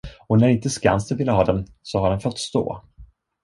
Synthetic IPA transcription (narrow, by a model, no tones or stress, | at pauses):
ɔnæɾɪnt̪əska̰nst̪əvɪlːəɦɑːd̪ɛn | sɔhaɖɛnfɔt̪ːst̪o̰ː